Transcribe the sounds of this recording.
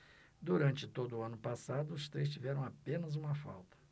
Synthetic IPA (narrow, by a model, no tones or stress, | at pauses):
d̪uɾɐ̃nt͡ʃɪt̪od̪ʊːɐ̃nʊpasad̪ʊːst̪ɾejs̬t͡ʃivɛɾɐ̃w̃apẽnɐzũmɐfa̰wt̪ɐ̥